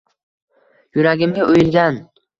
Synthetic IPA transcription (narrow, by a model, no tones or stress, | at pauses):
jʊɾaɡʲɪmɡʲaʔojɪlɡʲan